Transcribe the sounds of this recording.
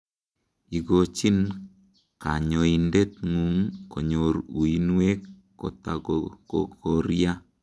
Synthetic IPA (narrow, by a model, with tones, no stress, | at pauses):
i˨ɡot͡ʃi˦n | ka̰˨ɲo˨indɛ˦t̪̚ŋu˨ŋkʰo˨ɲoɾu˨inwe˦kː | o̰˨ta̰˨koko˨ɾja˦